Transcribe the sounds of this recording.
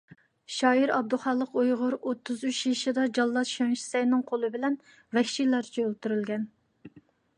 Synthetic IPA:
ʃɑːiɾɑb̚d̪uχɑlˠːəqojʁʊɾot̪ʰːɨzyt͡ʃjiʃid̪ɑd͡ʒɑlˠːɑt̪ʃɑŋʃi̥sɛjnɨŋqʰolˠɨbɪlɛn | vɛkʲʃilɑɾt͡ʃʰiølˠt̪uɾylɡʲɛn

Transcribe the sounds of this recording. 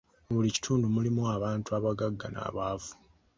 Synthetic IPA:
oβulici̥tʰuːndumulimuaβaːntuaβaɡaɡːana̰ːβaːvu̥

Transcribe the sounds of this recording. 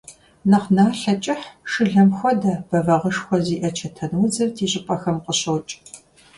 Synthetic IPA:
nɐqnaːɬɐt͡ʃʼɪħʂɨɮɐmxʷɔdɐb̥ɐvɐʁəʂxʷɔziːʔɐt͡ʃʰɐtʰɐnwzɐrtʰiːɕʼɪpʼɐxɐmqəɕowt͡ʃʼ

